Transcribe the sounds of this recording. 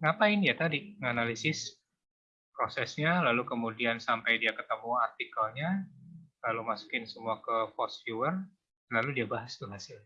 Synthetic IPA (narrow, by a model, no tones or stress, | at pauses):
ŋapainjat̪adiŋanalisɪs | pɾosɛsɲalalukəmudiansampajdiakət̪əmuart̪ikalɲalalumasu̥kɪnsəmuakəfɔsfjuwər | laludiabaɦast̪uɦasɪl